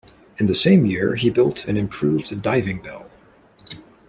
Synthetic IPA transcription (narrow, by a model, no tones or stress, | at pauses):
ɨ̃nðɨsẽɪ̃mjɪɹibɪlˠtʰɨ̃nɨ̃mpʰɹ̥ʉvɨdaɪvɪ̃ŋbɛ̰lˠ